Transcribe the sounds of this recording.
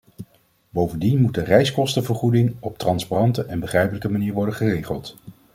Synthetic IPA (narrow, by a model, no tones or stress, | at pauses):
bowvəndinmutdərɛjskɔstəvəɹχudɪŋɔp̚trɑnsparɑntəʔɛnbəχrɛjpələkəmaniːɹʋɔɹdəχərejχəlˠt